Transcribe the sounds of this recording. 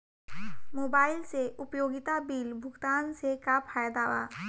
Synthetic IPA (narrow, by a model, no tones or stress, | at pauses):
moːbaːɪlseʔʊpjoːɡɪt̪abiːlbʱʊɡt̪aːnsekapʰaːjd̪aːʋa̰ː